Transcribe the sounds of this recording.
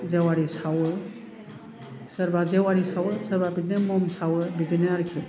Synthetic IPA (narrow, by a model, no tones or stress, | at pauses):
d͡ʒewaɾisʰaw | səɾbad͡ʒewaɾisʰawəsəɾbabidnemɔmsʰawəbidineaɾkʰi